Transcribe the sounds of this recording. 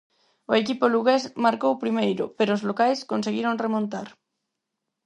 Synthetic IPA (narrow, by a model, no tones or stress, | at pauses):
oekipoluɣesmaɾkowpɾimejɾʊ̰peɾoːzlokajskonseɣiɾoŋremõnt̪aɾ